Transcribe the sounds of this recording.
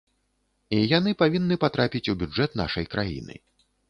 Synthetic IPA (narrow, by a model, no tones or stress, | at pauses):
ijanɨpavʲinːɨpat̪ɾapʲit͡sʲubʲud͡ʐɛt̪na̰ʂɐjkɾajḭnɨ̰